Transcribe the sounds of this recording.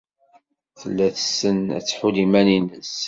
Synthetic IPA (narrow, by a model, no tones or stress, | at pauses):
θəlːæθəsːənæ̰t͡sːħulimæninəs